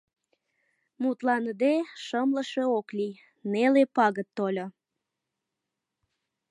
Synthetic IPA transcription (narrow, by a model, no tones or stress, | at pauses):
mut̪lɑnəd̪eʃəmləʃe̽oklʲij | nelepɑɣət̪ːolʲo